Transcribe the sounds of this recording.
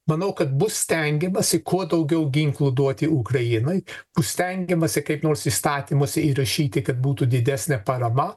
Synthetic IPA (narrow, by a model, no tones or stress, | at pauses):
mɐnɐʊkɐt̪bʊssʲt̪ʲɛŋʲɡʲɛmɐsʲɪkuɔd̪ɐʊɡʲɛʊɡʲɪŋklˠʊd̪uɔt̪ʲɪukɾɐjɪnɐɪb̥ʊssʲt̪ʲɛŋʲɡʲɛmɐsʲɪkɐɪpnoːɾsiːst̪ɑːt̪ʲiːmoːsʲɪiɾɐʃʲiːt̪ʲɪkɐt̪̚buːt̪ud̪ʲɪd̪ʲæsʲnʲɛpɐɾɐmɐ